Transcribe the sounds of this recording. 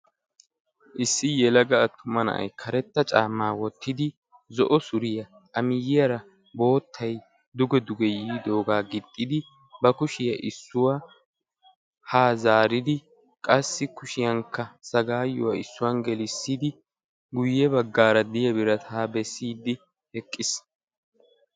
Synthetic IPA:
ʔɪsːɪjɛlɐɡɐɐt̪ʰːʊmɐnɐ̰ʔɐ̰jkʰɐɾɛt̪ːɐt͡ʃʼaːmːaːwɔt̪ʰːɪd̪ɪ | zɔʔɔsʊɾɪjɐ | ʔɐmɪjɪjɐɾɐ | bo̞ːt̪ʰːɐj | d̪ʊɡɛd̪ʊɡɛjiːd̪o̞ːɡaːɡɪt̪ʼːɪd̪ɪ | bɐkʊʃɪjɐʔɪsːʊwa | haːzaːɾɪd̪ɪ | kʼɐsːɪkʊʃɪjɐŋkːɐsɐɡaːjɔwɐɪsːʊwɐnɡɛlɪsːid̪ɪ | ɡʊjːɛbɐɡːaːɾɐd̪ɪjɐbɪɾɐt̪ʰaːbɛsːiːd̪ːɪ | hɛkʼːɪs

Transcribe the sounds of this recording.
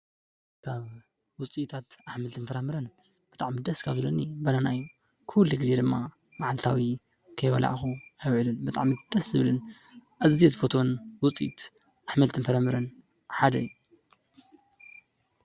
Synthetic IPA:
kʰaβ | wʊt͡sʼit̪ʰat̪aħmɐlt̪ɨnfɐɾɐmɨɾɐn | b̥ɨt̪ʼaʕmid̪ɐskʰaβzɨlonibɐnanajːu | kʰulːiɡɨze̞d̪ɨmːa | maʕalt̪ʰawi | kʰɐjβɐ̰lʔa̰ʔxuajwʕlɨnbɨt̪ʼaʕmid̪̥ɐszɨβlɨn | ʔazzizɨfot̪ʰonwʊt͡sʼit̪ | ʔaħmɐlt̪ʰɨnfɐɾamɨɾɐn | ħad̪ɐjːu

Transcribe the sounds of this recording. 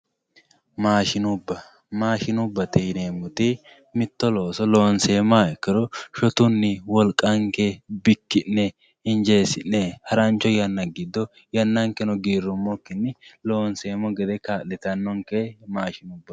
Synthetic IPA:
maːʃɪnʊbːɐ | maːʃɪnʊbːɐt̪ɛjneːmʊt̪ɪ | mɪt̪ːɔloːsɔlo̞ːnseːmaːɪkːɪɾɔʃɔt̪ʊnːɪwɔlkʼɐŋkɛbɪkːɪnːɛ | ɪnd͡ʒe̞ːsɪnːɛhɐɾɐnt͡ʃːɔjɐnːɐɡɪd̪ːɔ | jɐnːɐŋkɛnɔɡiːɾːʊmːɔkːɪnːɪlo̞ːnse̞ːmɔɡɛd̪ɛkaːlːɛt̪ɐnːɔŋkemaːʃɪnʊbːɐ

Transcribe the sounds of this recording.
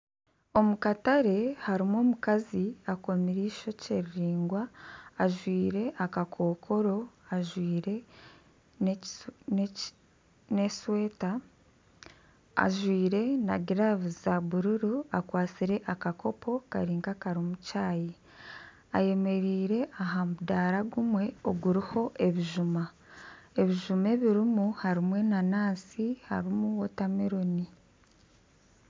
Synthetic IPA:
o̞mukataɾe̞haɾimoːmukaziako̞miɾiːʃo̞ce̞ɾiɾiːŋɡwaːʒwiːɾe̞ʔakakʰo̞ːkʰo̞ɾo̞aʒwiːɾe | ne̞swe̞ːta | ʒwiːɾe̞na̰ɡiɾavuzaβuɾuɾuakwaːt͡siɾe̞ʔakako̞pʰo̞kaɾiːŋɡakaɾimucaːji | aje̞me̞ɾiːɾe̞ʔaɦamudaɾaɡumwe̞oɡuɾiho̞ʔe̞βiʒuma | e̞βiʒume̞βiɾimuhaɾimwe̞nanaːsiha̰ɾimuwotameɾoni

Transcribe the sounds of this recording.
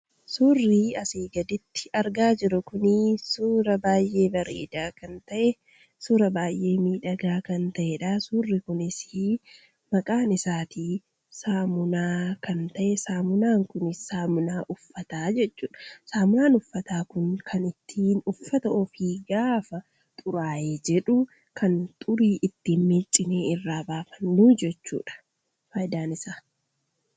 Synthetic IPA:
suːrːiːɐseːɡɐd̪ɪt̪ːɪ̥ʔɐɾɡaːd͡ʒɪɾʊkʊnɪsuːɾɐbaːjʔe̞ːbɐɾḛːd̪aːkɐnt̪ɐʔɛ | suːɾɐbaːjʔe̞ːmiːᶑɐɡaːkɐnt̪ɐʔɛᶑasuːrːɪkʊnɪsɪ | mɐkʼaːnɪsaːt̪iː | saːmʊnaːkɐnt̪ɐʔɛsaːmʊnaːŋkʊnɪssaːmʊnaːʔʊfːɐt̪aːd͡ʒɛt͡ʃːuːᶑɐ̥saːmʊnaːnʊfːɐt̪aːkʊŋkʰɐnɪt̪ʰːiːnʊfːɐt̪ɐʔɔfiːɡaːfɐ | t̪ʼʊɾaːjeːd͡ʒɛᶑʊ | kʰɐnt̪ʼʊɾiːʔɪt̪ːiːnmeːt͡ʃʼːɪneːɪrːaːbaːfɐnːuːd͡ʒɛt͡ʃːṵːᶑɐ̥ | faːjd̪aːnɪsaː

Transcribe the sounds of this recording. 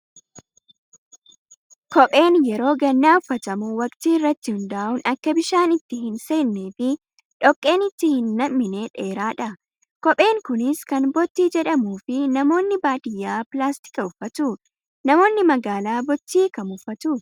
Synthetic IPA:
kɔpʼe̞ːnjɛɾo̞ːɡɐnːaːʊfːɐt̪ɐmuːwɐkʼt̪iːɪrːɐt̪ːɪhʊnd̪aːʔʊnɐkːɐbɪʃaːnɪt̪ːɪhɪnse̞ːnːeːfɪ | ᶑɔkʼːe̞ːnɪt̪ːɪhɪnːɐmːɪne̞ːᶑeːɾaːᶑɐ | kɔpʼe̞ːŋkʊnɪskɐnbɔt̪ːiːd͡ʒɛᶑɐmuːfɪnɐmo̞ːnːɪbaːd̪ɪjːaːplaːst̪ɪ̥kʼɐʊfːɐt̪ʊ | nɐmo̞ːnːɪmɐɡaːlaːbɔt̪ːiːkɐmʊfːɐt̪ʊ

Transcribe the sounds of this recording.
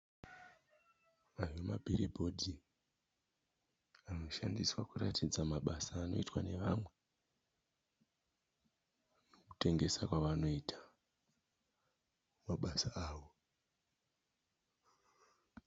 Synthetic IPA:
aremabʱiɾibʱo̞dʱi | ano̞ʃandiswakuratid͡zamaɓasaːno̞̰itwane̞ʋamwe̞ | noku̥te̞ŋɡe̞sakwaʋano̞itʰḁ | maɓasaaːʋo

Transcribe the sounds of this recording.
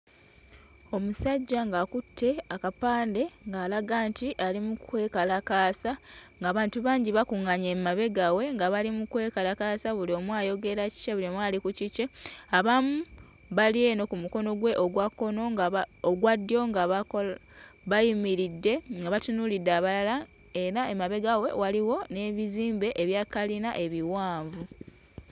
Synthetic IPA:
o̞musaɟːaŋɡakutʰːe̞akapaːnde̞ŋɡaːlaɡaːntiʔalimukwe̞ːkalakaːsaŋɡaːβaːntuβaːɲɟiβakuŋaɲemmaβe̞ɡawe̞ŋɡaβalimukwe̞ːkalakasaβulio̞mwaːjo̞ɡe̞ɾaci̥t͡ʃeβulimwaːlikuciceaβamu | βalie̞no̞kumuko̞no̞ɡwe̞ʔoɡwakːo̞no̞ɡaoɡwadːjo̞ŋɡaβa | βajimiɾidːe̞ŋɡaβatunulidːeaβalala | e̞ɾae̞maβe̞ɡawe̞̰waliwo̞ne̞ːβiziːmbe̞ʔːβjaːkalinaʔe̞βiwaːɱvu

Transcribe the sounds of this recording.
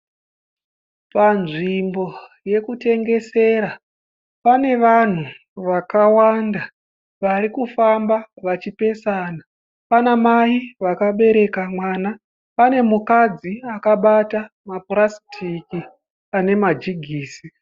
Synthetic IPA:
panʐimbo̞ | je̞kute̞ŋɡe̞se̞ːɾa | pane̞ʋan̤u | ʋakawanda | ʋaɾikufambaʋat͡ʃipe̞sana | panamaiʋakaɓe̞ɾe̞kamwaːna | pane̞mukad͡ziakaɓata | maprasitʰiki | ane̞mad͡ʒiɡʱiːsi

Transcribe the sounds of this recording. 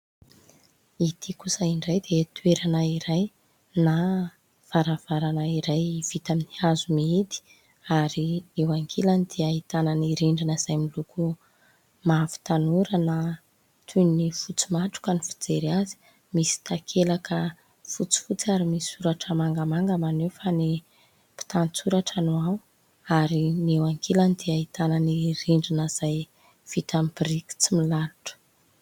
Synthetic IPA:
it̪ʰikusəiɳɖ͡ʐajd̪et̪weɾanaiɾaj | na | v̥aɾav̥aɾanaiɾajv̥it̪aminihazumiit̪i̥ | aɾiewaŋkʰelanid̪iaɦit̪ananiɾiɳɖ͡ʐinəz̥ajmiluku | mafi̥t̪anuɾana | t̪ʰunifut͡si̥maʈ͡ʂu̥kənifi̥d͡zeɾazi̥ | misi̥t̪akʰelakʰə | fut͡si̥fut͡saɾimisisuɾaʈ͡ʂəmaŋɡamaŋɡəmanewfani | pi̥t̪anit͡suɾaʈ͡ʂanua | aɾinewaŋkʰelanid̪̥iaɦit̪ananiɾiɳɖ͡ʐinəz̥aj | v̥it̪amibiɾiki̥t͡similaluʈ͡ʂə̥

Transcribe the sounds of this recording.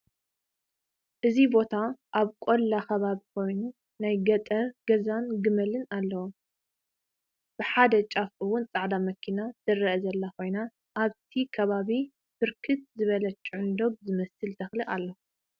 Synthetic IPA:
ʔɨzibo̞t̪ʰaʔaβkʼolːaxɐβaβikʰo̞jnu | najɡɐt̪ʼɐɡ̥ɐzanɡɨmɐlɨnalːɐwu | b̥ɨħad̪ɐt͡ʃʼafʔɨwʊnt͡sʼaʕd̪amɐkʰinazɨrɐʔzɐlːakʰo̞jna | ʔaβt̪ʰikʰɐβaβi | fɨɾkʰɨt̪̚zɨβɐlɐt͡ʃʼʕʊnd̪o̞b̚zɨmɐsɨlt̪ʰɐxliʔalːo

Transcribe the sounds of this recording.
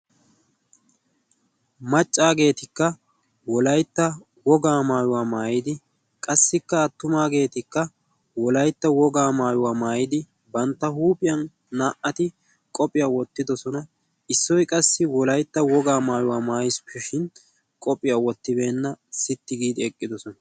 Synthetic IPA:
mɐt͡ʃʼːaːɡe̞ːt̪ɪkːɐ | wɔlɐjt̪ːɐ | wɔɡaːmaːjʊwaːmaːjɪd̪ɪ | kʼɐsːɪkːɐːt̪ːʊmaːɡe̞ːt̪ɪkːɐ | wɔlɐjt̪ːɐwɔɡaːmaːjʊwaːmaːjɪd̪ɪ | bɐnt̪ːɐhuːpʼɪjɐnː | aːʔɐt̪ɪ | kʼɔpʼɪjawɔt̪ːɪd̪ɔsɔnɐ | ɪsːɔjkʼɐsːɪwɔlɐjt̪ːɐwɔɡaːmaːjʊwaːmaːjspɛʃɪn | kʼɔpʼɪjaːwɔt̪ːɪbe̞ːnːɐsɪt̪ːɪɡiːd̪ɪɛkʼːɪd̪ɔsɔnɐ

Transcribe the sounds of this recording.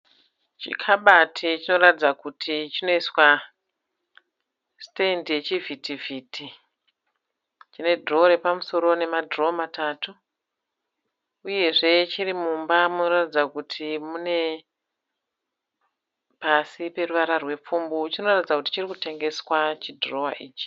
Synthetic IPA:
t͡ʃḭkʰaɓatʰit͡ʃino̞ratid͡zakutʰit͡ʃino̞iswa | ste̞ndje̞t͡ʃivʱitiviːtʰi | t͡ʃine̞dʱro̞ɾe̞pamuso̞ɾo̞ne̞madʱro̞mataːtu | uje̞ʐe̞t͡ʃirimumbamuno̞ratid͡zakutʰimune̞ | pasipe̞ruʋaɾarwe̞p͡fumbut͡ʃino̞ratid͡zakuti̥t͡ʃirikute̞ŋɡe̞swat͡ʃidro̞wa̰ʔiːt͡ʃi̥

